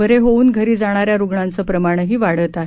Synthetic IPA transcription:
əɾeɦouːnɡʱəɾiːd͡zaɽ̃aɾjaɾuɡɳant͡səpɾəmaɽ̃əɦiːʋaɽət̪aɦe

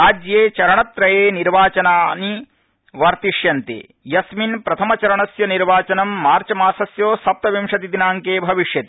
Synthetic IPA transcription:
aːd͡ʒjeːt͡ʃɐɾɐɳɐt̪ɾɐjeːniɾʋaːt͡ʃɐnaːni | ʋɐɾt̪iʂjɐnt̪ḛː | jɐsminpɾɐt̪ʰɐmɐt͡ʃɐɾɐɳɐsjɐniɾʋaːt͡ʃɐnɐmːaːɾt͡ʃɐmaːsɐsjoːsɐp̚t̪ɐʋimʂɐt̪id̪inaːŋkeːbʱɐʋiʂjɐt̪i̥

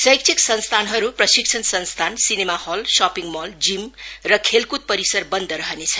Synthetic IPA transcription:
sʌjk̚t͡sʰiksʌnst̪ʰanɦʌɾuprʌsik̚t͡sʰʌnsʌnst̪ʰansinemahʌlsapiŋmʌld͡zimrʌkʰelkut̪̚pʌɾisʌrbʌnd̪ʌɾʌɦʌnet͡sʰʌ

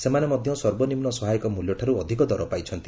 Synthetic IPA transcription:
semanemɔd̪ʱjɔsɔɾbɔnimnɔsɔɦajɔkɔmuljɔʈʰaɾuɔd̪ʱikɔd̪ɔɾɔpajt͡ʃʰɔnt̪i

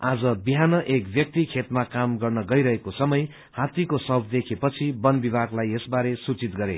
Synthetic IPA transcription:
ad͡zʌbiɦanʌʔekbjʌk̚t̪ikʰet̪makamɡʌrnʌɡʌjɾʌɦekosʌmʌj | hat̪ikosʌbʱd̪ekʰepʌt͡sʰibʌnbibʱaɡlajesbaɾesut͡sit̪ɡʌɾḛ

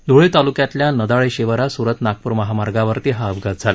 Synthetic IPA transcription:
d̪ʱoɭet̪alukjat̪ljanəd̪aɭeɕeʋəɾasuɾət̪nak̚puɾməɦamaɾɡaʋəɾt̪eɦaəbɡʱat̪̚d͡zʱala

